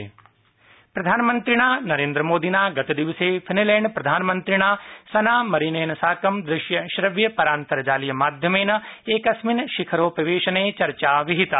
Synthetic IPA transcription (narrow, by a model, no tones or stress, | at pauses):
pɾɐd̪ʱaːnmə̃nt̪ɾɪɽ̃aːnɐɾẽːnd̪ɾəmoːd̪iːnaːɡɐt̪id̪ɪʋɪseːpʰɪnilɛ̃ːɳɖpɾɐd̪ʱaːnmə̃nt̪ɾɪɽaːsɐnaːmɐɾineːnɐsaːkɐmd̪ɾɪʃjɐʃɾɐʋjɐpɐɾaːnt̪əɾd͡ʒaːlijəmaːd̪ʱjəmeːnɐeːkɐsmɪnʃɪkʰəɾoːpɾɐʋeːʃəneːt͡ʃɐɾt͡ʃaːʋɪɦɪt̪a